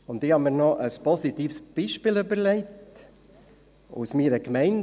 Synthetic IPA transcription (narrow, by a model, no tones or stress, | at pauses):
ʊnt̪ɪhɑnmiːɾnɔʔəspɔsit̪iːfsb̥iːʃpiːlybəɾleɪt | ṵsmiːɾəkmɛɪn